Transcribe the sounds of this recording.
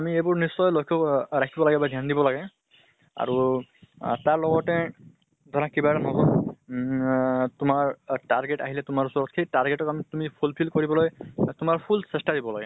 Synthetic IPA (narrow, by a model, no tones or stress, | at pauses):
amiejbʊɹnisːɔjlɔjkʰɔɹakʰibɔlaɡɛbadʱjandibɔlaɡɛ | a̰ɹu | taɹlɔɡɔtɛ | d̪ʱɔɹakibaanɔɦɔ | tʊmaɹtaɹɡetaɦilɛtʊmaɹusɔɹɔtkʰejtaɹɡetɔkamitumipʰulpʰilkoɹibɔlojtʊmaɹpʰulsɛstadibɔlaɡɛ